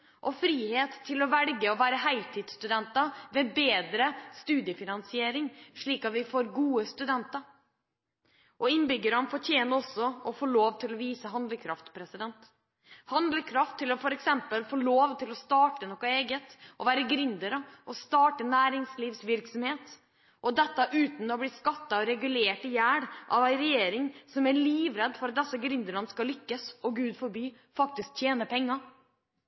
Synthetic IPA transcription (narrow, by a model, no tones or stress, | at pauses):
ʔɔfɾiːheːt̪ʰːɪlɔʋɛlɡəɔʋæːɾəɦæɪlt̪ʰɪːd̪st̪ʉd̪ɛnt̪ɑʋɛbeːd̪ɾəst̪ʉːd̪ɪəfɪnɑnsɪeːɾɪŋʂɭiːkɑt̪ʋɪfoːɾɡuːəst̪ʉd̪ɛnt̪ɑɾ | ʔɔɪnbʏɡːəɾɑnfɔʈ̪ʰjeːnəɔsːɔɔfoːɭoːʋt̪ʰɪlɔʋiːsəɦɑnd̪ləkʰɾɑft̪pʰɾɛsɪd̪ɛnt̪ | hɑnd̪ləkʰɾɑft̪ʰːɪlɔfɔɾɛksɛmpəlfoːɭoːʋt̪ʰɪlɔst̪ɑːʈənɔkːɑeːɡət̪ʔɔʋæːɾəɡɾʏnd̪əɾəʔɔst̪ɑːʈənæːɾɪŋsliːʋsʋɪɾksɔmheːt̪ | ʔɔd̪ɛt̪ːɑʔʉːt̪n̩ɔblɪskɑt̪ːɑɔɾɛɡʉleːʈɪjæːɽʔɑʋæɪɾɛjeːɾɪŋsɔmæɭiːʋɾɛd̪ːfɔɾɑt̪̚d̪ɛsːəɡɾʏnd̪əɾɑnəskɑlʏkːəsɔɡʉːd̪fɔɾbyː | fɑk̚t̪ɪsk̚t̪ʰjeːnəpʰɛŋːɑ